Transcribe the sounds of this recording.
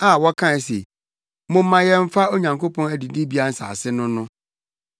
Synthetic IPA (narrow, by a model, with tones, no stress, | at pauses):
a˦˨wɔ˦kʰã˦˨sḛ˨ | mʊ̃˦mː˦ã˨jɛ˦m̩˦fa˦o˦ɲã˨ŋkʰo˦pʰɔ̃˦næ˨di˨di˦bi˦a˦n̩˦sa̰˨a˨sɪ˦nʊ̃˦nʊ̃˦